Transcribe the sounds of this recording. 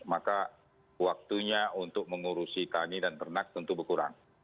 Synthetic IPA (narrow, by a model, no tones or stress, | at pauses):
maka | wak̚t̪uɲaunt̪ʊk̚məŋuɾusit̪anidant̪ərnak̚t̪ənt̪ubəkuɾa̰ŋ